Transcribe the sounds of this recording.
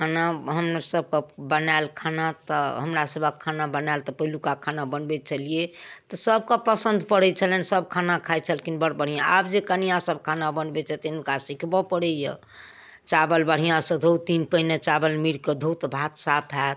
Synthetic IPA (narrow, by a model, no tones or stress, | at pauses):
kʰanaɦəmnasəb̚kəbənalkʰanat̪əɦəmɾasəbʱəkʰanabənalt̪ɔpəɦilukakʰanabənbɛt͡ʃʰəliet̪ɔsəb̚kəpəsənd̪ʱpəɽɛt͡ʃʰəlɛnsəb̚kʰanakʰajt͡ʃʰəlkinbəɽbəɽ̤ijãa̰bd͡ʒekənijãsəb̚kʰanabənbɛt͡ʃʰɛt̪inkasikʰbɔpəɽɛjə̰ | t͡ʃabəlbəɽ̤ijãsə̃d̪ʱowt̪inpəinet͡ʃabəlmiɽked̪ʱowt̪bʱat̪sapʰat̪